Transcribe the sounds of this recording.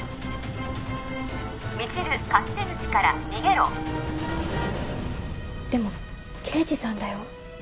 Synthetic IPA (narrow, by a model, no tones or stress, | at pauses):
mʲit͡ɕiɾɯ̟kat̪ːezɨt͡ɕi̥kaɾa̰ɲʲiɡe̞ɾo̰ | d̪̥e̞mo̞ | kʰe̞ːd͡ʑisãnd̪ajo̞